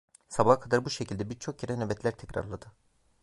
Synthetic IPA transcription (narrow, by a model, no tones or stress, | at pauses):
sabakʰad̪aɾbuʃecʰilʲd̪ɛbiɾt͡ʃʰo̞kjeɾɛnøbɛt̪lʲæɾt̪ʰɛcɾa̰ɾlˠad̪ɯ